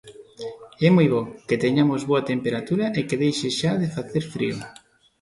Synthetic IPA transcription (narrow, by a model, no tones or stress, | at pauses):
ɛmojβɔket̪eɲamozβoɐt̪empeɾat̪uɾɐʔekeðejʃeʃaðefaθeɾfɾḭo̰